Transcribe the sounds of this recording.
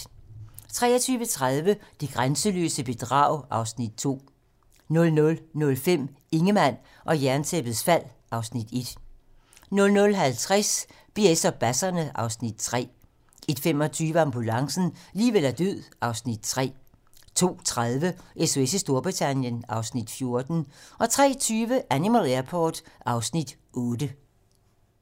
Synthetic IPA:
t͡sʰʁɛ̰ːɐt͡sʰyːʋət͡sʰʁaðˠʋəd̥eɡ̥ʁansəlø̰ːsəb̥e̝d̥ʁɑ̰̈ʊ̰ʔɑ̈ʊsnid̥̚t͡sʰo̝̰ː | nɔ̽lnɔ̽lnɔ̽lfem̰ | e̝ŋəmæn̰ | ʔɒ̽jæɐnt͡sʰeb̥ð̩ˠsfæl̰ʔɑ̈ʊsnid̥e̝d̥ | nɔ̽lnɔ̽lɦælt͡sʰʁas | b̥e̝esɒb̥æsɐnəʔɑ̈ʊsnid̥t͡sʰʁɛ̰ː | e̝d̥fem̰ɒ̽t͡sʰyːʋəɑ̈mb̥ulɑ̈ŋsn̩liːʋelæɐd̥øð̰ˠɑ̈ʊsnid̥̚t͡sʰʁɛ̰ː | t͡sʰo̝̰ːt͡sʰʁaðˠʋəʔeso̝esisd̥o̝ɐb̥ʁit͡sʰænjənɑ̈ʊsnid̥fjo̝ɐd̥n̩ʔɒ̽t͡sʰʁɛ̰ːt͡sʰyːʋəʔænimælˠæɐpʰɒːd̥ɑ̈ʊsnid̥ | ɔːd̥ə

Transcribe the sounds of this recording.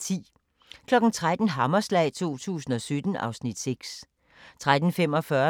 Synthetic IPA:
t͡sʰḭː | kʰlɒ̽ɡ̥n̩t͡sʰʁad̥n̩ɦɑ̈mɐslɛ̰ɪt͡sʰo̝̰ːt͡sʰṵːsn̩ɒ̽sød̥n̩ɑ̈ʊsnid̥seɡ̥s | t͡sʰʁad̥n̩fem̰ɒ̽fɶɐ

